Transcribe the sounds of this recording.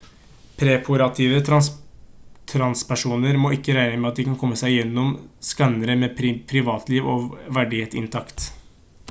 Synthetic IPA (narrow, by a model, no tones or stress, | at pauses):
pʰɾɛpʰʊɾɑt̪ʰiːʋə | t̪ʰɾɑnspæʂuːnəɾmoːɪkːəɾæɪnəmɛɑt̪̚d̪ɪkɑnkʰɔmːəsæɪjɛnːɔmskɑnːəɾəmɛpʰɾɪʋɑːt̪ʰliːʋoʋæɖɪheːt̪ɪ̰nt̪ʰɑkt̪